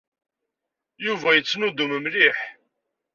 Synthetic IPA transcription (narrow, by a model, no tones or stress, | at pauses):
juvæjət͡sːnud̪uməmliħ